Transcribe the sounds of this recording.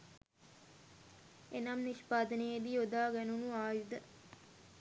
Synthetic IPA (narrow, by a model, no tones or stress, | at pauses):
enamniʃpaːd̪ənejed̪iod̪aːɡɛnunuaːjud̪ə